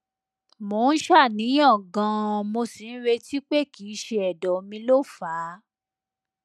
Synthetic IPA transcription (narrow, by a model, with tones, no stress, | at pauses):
mo˨˦ñ̩˦ʃa˦˨nĩ˨˦ɔ̃˦˨ɡã˧mo˧si˨˧n̩˦ɾe˧ti˦k͡pe˦˨ki˨˦ʃe˧ɛ˨dɔ˨mĩ˧lo˦˨faː˨˦